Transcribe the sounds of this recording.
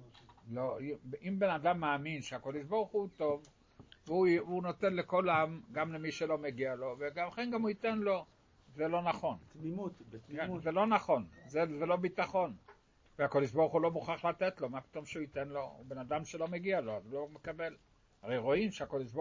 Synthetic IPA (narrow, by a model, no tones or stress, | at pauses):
loiʔimbe̞nad̪amːaːminʃeakod̪eʃboʁuχuut̪o̞v | veuunot̪enlekolamɡamlemiʃelo̞meɡialo̞veɡamχenɡamuit̪enlo̞ | zelo̞naχo̞n | ezelo̞naχo̞nzezelo̞bit̪aχo̞n | veako̞d̪eʃboʁχulo̞muχaχlat̪et̪lo̞mapi̥t̪o̞mʃeuit̪e̞nlo̞ṵbe̞nad̪amʃelo̞meɡialo̞azulomekabe̞l | aʁejʁo̞imʃeako̞d̪eʃ̬bo